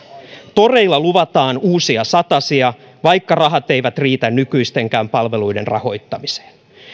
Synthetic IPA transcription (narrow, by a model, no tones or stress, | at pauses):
t̪o̞re̞jlːɑluʋɑt̪ɑːnuːsiɑsɑt̪ɑsiɑ | ʋɑjkːɑrɑɦɑt̪e̞jʋæt̪riːt̪ænnykyjst̪e̞ŋk̟æːmpɑlʋe̞lujde̞̰nrɑ̰ho̞jt̪ːɑmise̥ːn